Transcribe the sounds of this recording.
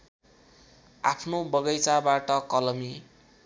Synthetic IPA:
apʰnobʌɡʌjt͡sabaʈʌkʌlʌmi

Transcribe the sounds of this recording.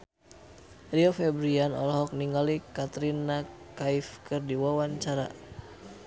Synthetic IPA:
riɔfɛbɾianɔ̰lɔɦɔk̚niŋɡalikat̪ɾina | kaifkɨrdiwawaɲt͡ʃaɾa̰

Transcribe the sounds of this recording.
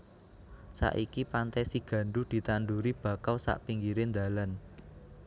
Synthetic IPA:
sa̰ʔikipant̪ɛsiɡ̥ä̤ɳɖud̪̥i̤t̪anɖ̪uɾib̥ä̤kalsa̰ʔpiŋɡiɾend̪a̤lan

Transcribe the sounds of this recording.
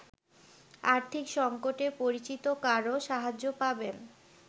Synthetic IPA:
aɾt̪ʰikʃɔŋkoʈepoɾit͡ɕit̪okaɾoʃaɦad͡ʑːopaben

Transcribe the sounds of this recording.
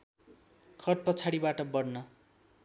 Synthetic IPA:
kʰʌrt̪̚pʌt͡sʰaɽibaʈʌbʌrnʌ

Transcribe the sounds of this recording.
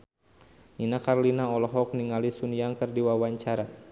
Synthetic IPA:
ninakarlinaɔlɔɦɔk̚niŋalisuniaŋkɨrdiwawaɲt͡ʃaɾa

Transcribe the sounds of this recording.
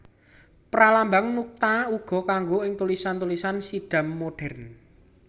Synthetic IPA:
pɾalambaŋnuk̚t̪auɡ̥ɔ̤kaŋɡoɪŋt̪ulisant̪ulisansiɖ̥a̤mːoɖ̥ɛ̤rn

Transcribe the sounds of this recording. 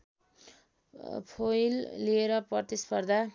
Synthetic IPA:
pʰojlːieɾʌprʌt̪ispʌrd̪ʱa

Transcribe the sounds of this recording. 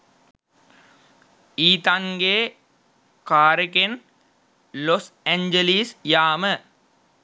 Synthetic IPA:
iːt̪aŋɡeː | kaːɾeken | loseɲd͡ʒeliːsjaːmə

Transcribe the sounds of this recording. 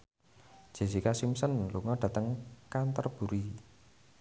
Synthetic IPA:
ʒ̥e̤sikasimsənluŋɔɖ̥ä̤t̪əŋkant̪ɔrb̥ṳɾi

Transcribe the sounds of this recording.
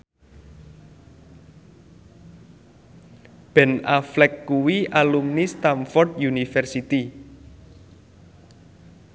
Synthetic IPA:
b̥ɛ̤naflɛkːuwiʔalumnist̪amfɔrd̪junifɛrsit̪i

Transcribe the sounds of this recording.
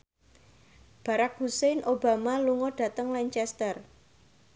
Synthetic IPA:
b̥ä̤ɾak̚husenʔoba̤maluŋɔɖ̥ä̤t̪əŋlaɲt͡ʃɛst̪ər

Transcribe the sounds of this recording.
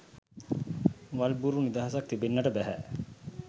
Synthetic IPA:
ʋɐlbuɾunid̪ɐɦɐsɐk̚t̪ibenːɐʈəbæɦæ̰

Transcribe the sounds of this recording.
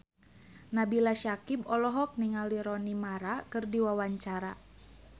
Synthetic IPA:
nabilaʃakibɔlɔɦɔk̚niŋaliɾɔnimaɾakɨrdiwawaɲt͡ʃaɾa

